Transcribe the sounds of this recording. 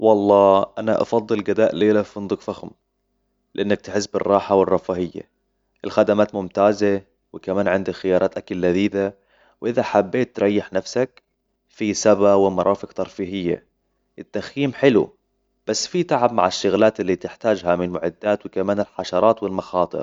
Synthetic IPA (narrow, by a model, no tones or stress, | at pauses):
wɑlˤːɑːʔanaʔɑ̰fɑd̪ˤːɨlɡad̪aːʔleːlaʊnd̪ˤʊkfaxm | lɪʔɪnːak̚t̪ɪħɪs̬ːbɪrˤːɑːħawɪrˤːɑfahɪjːa̰ | ʔɪlxad̪amaːt̪mʊmt̪aːze | wɪkamaːnʕɪnd̪axɪjɑːɾˤɑːt̪ʔakalːad̪iːd̪a | wʔɪðaħabːeːt̪ːɾˤɑjːɪħnafsak̚ | fisabawɪmɑɾˤʔɑːfɪkt̪ɑɾˤfiːɦɪjːa̰ | ʔɪt̪ːaxjiːmħɪlṵ | b̥asːfit̪aʕab̚ma̰ʕɪʃːʊɣlaːt̪ɪlːit̪ɪħt̪aːd͡ʒɦamɪnmʊʕɪd̪ːaːt̪wɪkamaːnɪlħaʃɑɾˤɑːt̪wɪlmɑxɑːt̪ˤɨ̰ɾ